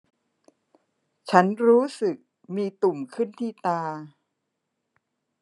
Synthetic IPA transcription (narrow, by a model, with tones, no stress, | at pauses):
t͡ɕʰa˦˥nɾuː˦˥sɯ˨˩k̚ | miː˧t̪u˨˩mkʰɯ˥˩nt̪ʰiː˥˩t̪aː˧